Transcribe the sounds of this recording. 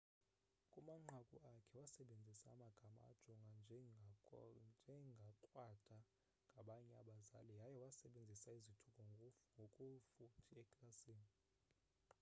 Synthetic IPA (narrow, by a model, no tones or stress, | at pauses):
kʼumaŋ͡ǃʱakʼuakʰɛwasɛɓend͡zʱisaːmaɡ̥ʱama̰ːd̥ʒ̥ʱɔŋɡʱanʱ | d͡ʒʱɛŋɡʱaǃʼwad̥ʰʱa | ŋɡʱaɓaɲɛa̰ɓaza̰lɛjajɛwasɛɓend͡zʱisaizitʰukʼɔŋɡʱokʼufutʰiɛkʼlasiːni